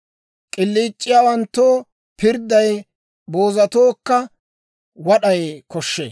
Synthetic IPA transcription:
kʼɪlːiːt͡ʃʼːɪjaːwɐnt̪ːoː | pɪɾd̪ːɐj | bo̞ːzɐt̪oːkːɐ | wɐɗɐjkɔʃːḛː

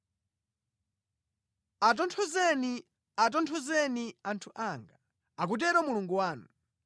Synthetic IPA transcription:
at̬ɔntʰɔzɛni | at̬ɔntʰɔzɛniantʰuʔaŋɡa | ak̬ut̬ɛɾɔmuluŋɡuwaːnu

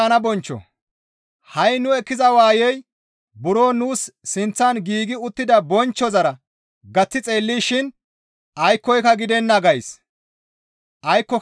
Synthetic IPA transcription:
ɐnɐbɔnt͡ʃːɔ̰ | hɐjnʊɛkːɪzɐwaːjɛj | bʊɾoːnuːsːɪnt͡sːɐanɡiːɡɪʊt̪ːɪd̪ɐbɔnt͡ʃːɔzɐɾɐ | ɡɐt͡sːɪt͡sʼe̞ːlːiːʃɪn | ɐjkːɔjkɐɡɪd̪ɛnːɐɡɐjs | ʔɐjkːɔ

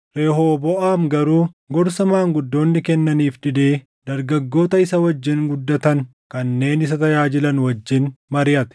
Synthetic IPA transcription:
ɾe̞ːɦoːbɔʔaːmɡɐɾuːɡɔɾsɐmaːŋɡʊd̪ːo̞ːnːɪkɛnːɐniːfd̪ɪd̪eː | d̪̥ɐɾɡɐɡːo̞ːt̪ɐɪsɐwɐd͡ʒːɪnɡʊd̪ːɐt̪ɐŋ | kɐnːe̞ːnɪs̬ɐt̪ɐjaːd͡ʒɪlɐnwɐd͡ʒːɪnmɐɾɪjɐt̪ɛ̥

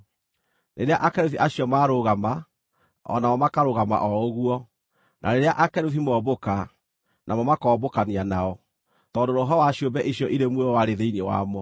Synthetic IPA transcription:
neɾeaʔakɛɾuθiʔaɕiɔmaːɾoɣama | ɔ̰namɔmakaɾoɣama̰ʔɔoɣuɔ | nʔa̰ɾeɾeaʔakɛɾuθimɔːboka | nʔamɔmakɔːbokanianaɔ | tɔːndoɾoɦɔwaɕjombɛʔiɕiɔʔiɾemweɔwaɾeðeinewa̰mɔ

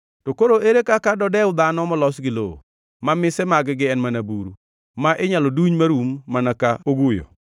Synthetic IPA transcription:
tokoɾoʔeɾekakadɔdɛʊd̪anɔmɔlɔsɡɪlo̰ | mamɪsɛmaɡɪɡɪɛnmanabuɾu | maʔɪɲalɔduɲmaɾumːanakaoɡujo̰

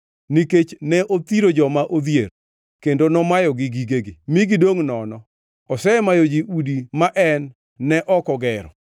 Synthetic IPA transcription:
niket͡ʃnɛʔot̪iɾod͡ʒɔmaʔod̪jer | kendonɔmajɔɡɪɡiɡeɡɪmiɡidoŋnɔnɔ | ɔsɛmajod͡ʒiʔudimaʔɛnː | ɛʔɔkɔɡɛɾɔ

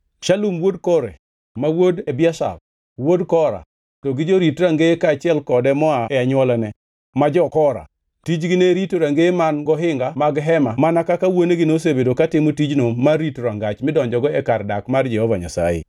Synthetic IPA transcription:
ʃalumwodkɔɾḛ | mawodebɪaʃa̰l | wodkɔɾa̰ | tɔɡɪd͡ʒoɾitɾaŋɡekaːt͡ʃɪɛlkɔdɛmɔaɛaɲwɔlanɛ | mad͡ʒɔkɔɾa̰ | tid͡ʒɡɪneɾitoɾaŋɡemanɡɔɦɪŋɡamaɡɦɛmamanakakawoneɡɪnos̬ebedokatɪmotid͡ʒnomaritɾaŋɡat͡ʃmɪdɔɲd͡ʒɔɡɔɛkardakmard͡ʒɛhɔvaɲa̰sa̰jḛ

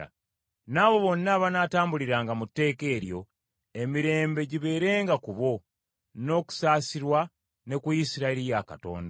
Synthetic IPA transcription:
a̰ | naːβo̞βo̞nːaːβanaːtaːmbuliɾaːŋɡamutːe̞ːke̞ːɾjo̞ | e̞miɾe̞ːmbe̞ɟiβe̞ːɾe̞ːŋɡakuβo̞ | no̞ːku̥saːsiɾwa | ne̞kuisiɾaeɾijaka̰to̞̰ːnda

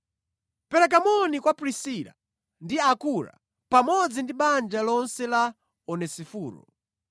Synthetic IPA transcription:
pɛɾɛk̬amɔnikwapɾisila̰ | ndiakuɾa̰ | pamɔd͡zindiɓand͡ʒalɔnsɛla | ɔnɛsifuːɾɔ̰

